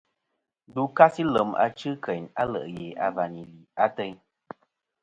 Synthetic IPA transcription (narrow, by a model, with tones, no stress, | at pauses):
du˨˦ka˦si˦lə˨ma̰˦t͡ʃɨ˦kʰə˨ɲa˦lə̰˨ʔje˨a˨va˨ni˨li˨a˦tə˧˦ɲ